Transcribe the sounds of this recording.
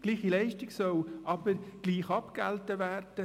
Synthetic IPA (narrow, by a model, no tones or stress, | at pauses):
ɡ̥liːχilɛɪʃtiɡ̥sœlʔɑb̥əɾɡ̥liːχɑpɡ̥ɛ̰ltəʋæːrd̥ə